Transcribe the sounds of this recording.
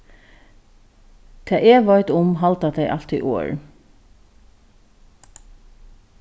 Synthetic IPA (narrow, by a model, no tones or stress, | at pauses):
t̪ʰɛːʔeːʋɔʏt̪ʊmɦalt̪at̪ʰɛɪʔalt̪ḭʔo̰ːɹ